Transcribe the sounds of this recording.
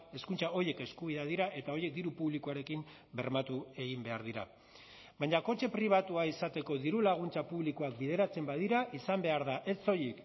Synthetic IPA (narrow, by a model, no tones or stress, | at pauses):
e̞skunt͡sao̞je̞ke̞skuβ̞iðeaðiɾae̞t̪ao̞je̞k̚d̪iɾupuβlikoaɾe̞kim | be̞ɾmat̪ue̞ɣimbe̞aɾðiɾa | βaɲako̞t͡ʃe̞pɾiβ̞at̪uaisat̪e̞ko̞ðiɾulaɣ̞unt͡sapuβlikoak̚bið̞e̞ɾat͡se̞mbað̞iɾaʔisambe̞aɾðaʔe̞st͡so̞jik